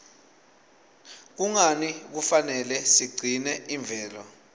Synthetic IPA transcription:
k̬uŋanik̬ufanɛlɛsiɡ͡ǀʱinɛʔiɱb̪vʱɛːlɔ

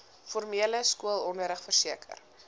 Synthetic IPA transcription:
fɔrmiələskuəlˠɔnəɾəχfərsiəkə̰r

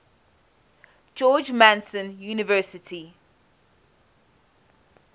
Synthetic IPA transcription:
d͡ʒɔːd͡ʒmãnsə̃njuːnɪvɜːˑsɪtʰi

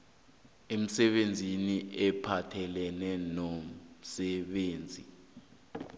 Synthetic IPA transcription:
em̩sɛɓend͡zʱiniʔɛpʰatʰɛlɛnɛnom̩sɛɓeːnd͡zʱi

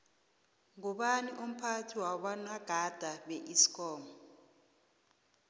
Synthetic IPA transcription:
ŋɔɓaniʔum̩pʰatʰiwaɓanaɡ̥ʱad̥ʱaɓɛʔisi̥kʼɔːmɔ

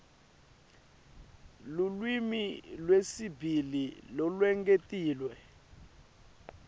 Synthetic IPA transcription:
lulwimilwesibʱililɔlwɛŋɡʼetʼiːlwɛ

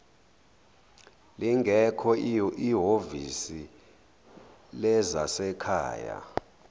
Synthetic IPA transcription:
liŋɡʱɛkʰɔiɦovisi | lɛzasɛkʰa̰ːja̰

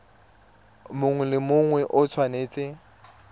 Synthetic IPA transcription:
mʊŋwɛlɪmʊŋwɛʔʊt͡sʰwaneːt͡sʼɪ

